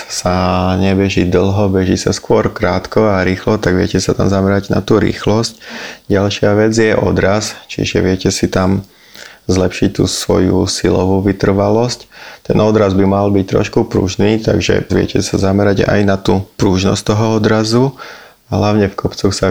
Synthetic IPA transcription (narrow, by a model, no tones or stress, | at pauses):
saɲɛbɛʒid̪l̩ɦɔbɛʒiːsaskʊɔɾkɾaːt̪kɔaɾiːxlɔt̪aɡʋɪɛcɛsat̪amzamɛɾaɟna̰t̪uːɾḭːxlɔscɟalʃɪaʋɛd͡zjɛʔɔ̰d̪ɾast͡ʃḭʒɛ̰ʋɪɛcɛsit̪am | zlɛpʃic̚t̪ṵːsʋɔ̰jṵsilɔʋuʋit̪r̩ʋalɔsct̪ɛnɔd̪ɾazbimalbic̚t̪ɾɔ̰ʃkupɾṵʒniːt̪a̰ɡʒɛ̰ʋɪɛ̰cɛsazamɛɾaɟa̰jnat̪uːpɾuːʒnɔ̰stt̪ɔɦɔɔd̪ɾazu | aɦlaʊɲɛfkʰɔpt͡sɔxsa